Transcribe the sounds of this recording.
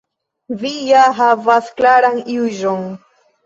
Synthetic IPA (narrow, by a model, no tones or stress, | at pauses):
vijaɦavasklaɾaŋiʊʒoŋ